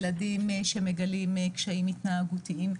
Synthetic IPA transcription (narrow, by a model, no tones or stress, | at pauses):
ladimʃemeɡalimkʃaimit̪naaɡut̪iʔim